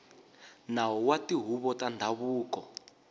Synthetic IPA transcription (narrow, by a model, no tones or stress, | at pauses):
nawɔwatiɦuβɔtandʱaβuːkɔ